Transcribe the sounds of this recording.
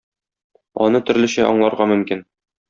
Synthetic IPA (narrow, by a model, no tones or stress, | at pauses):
ɒ̰nɤt̪ɵ̆ɾlɘ̆ɕɘʔɒ̰ɴlˠɑɾʁɑmɵ̆mkin